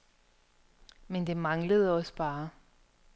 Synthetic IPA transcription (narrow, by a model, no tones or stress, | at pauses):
mend̥e̝mɑ̈ŋləð̞̩ˠɒ̽sb̥ɑ̈ː